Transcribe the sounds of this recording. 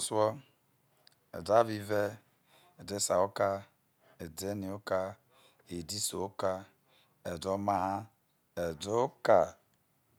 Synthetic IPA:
swɔ˦ | ḛ˨da˦vi˦ve˦ | e˨de˦sa̰˨o˦ka˦ | e˨de˦ni˨o˦ka˦ | e˨di˦so˨o˦ka˦ | e˨do˦ma˦ɦa˦ | e˨do˦ka˨

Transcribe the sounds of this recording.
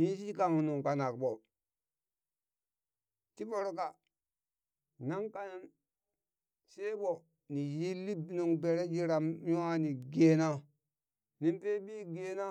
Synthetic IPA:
ji˦s̬i˦ka˨ŋu˨nu˨ŋka˨na˨kbo˨ | ti˦bo˦ɾo˦ka˨ | na˦ŋka˨na˦n | se˦ɓo˨ | ni˨ji˦lːi˦nu˨ŋbe˨ɾe˦d͡ʒi˦ɾa˨mju˦a˦ni˨ɡe˨na˦ | ni˨mpe˦bi˦ɡe˦na˦

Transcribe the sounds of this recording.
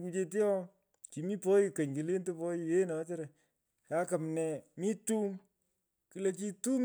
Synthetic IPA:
ku˦t͡ʃe˦t̬i˦ɔ˦ | t͡ʃi˨mi˦po˦ji˨kɐ˨ɲki˨le˦nto˦pɔ˦ji˨je˦nɔ˨˦t͡ʃe˦ɾa˨ | ka˦ka˨mnɛ˨mi˦tu˦m | ki˨˦le˨t͡ʃi˦tu˦m

